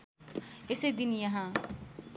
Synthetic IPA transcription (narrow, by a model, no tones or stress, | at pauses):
ɪsed̪ɪnijãɦãː